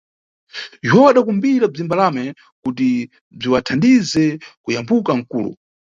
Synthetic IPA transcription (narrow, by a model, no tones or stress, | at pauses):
jɛɦɔwaɗakumbiɾab͡ʐimbalamɛ | kut̬i | b͡ʐiwatʰandizɛkujambukaŋ̩kṵːlṵ